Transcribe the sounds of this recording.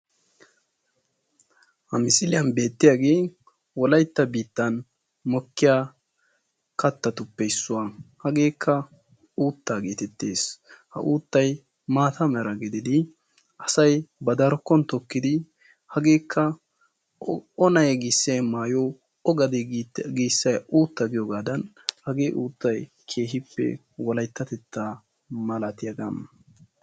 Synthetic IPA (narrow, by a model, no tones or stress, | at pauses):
hɐmɪsɪlɪjɐnbe̞ːt̪ːɪjaɡeː | wɔlɐjt̪ːɐbiːt̪ːɐn | mɔkːɪjaː | kɐt̪ːɐt̪ʊpːɛɪsːʊwahɐɡe̞ːkʰːɐ | uːt̪ːaːɡeːt̪ɛt̪ːe̞̰ːshɐ̰ʔuːt̪ːɐj | maːt̪ʰɐmɛɾɐɡɛd̪ɪd̪ɪ | ʔɐsɐjbɐd̪ɐɾɔkːɔnt̪ɔkːɪd̪ɪ | hɐɡe̞ːkʰːɐ | ɔnɐjɡɪsːɐjmaːjo | ɔɡɐd̪ɛɡiːsːɐjuːt̪ːɐɡɪjɔɡaːd̪ɐn | hɐɡe̞ːʔuːt̪ːɐj | kʰe̞ːɦɪpːɛ̰ | wɔlɐjt̪ːɐt̪ɛt̪ːaː | mɐlɐt̪ɪjɐɡaːn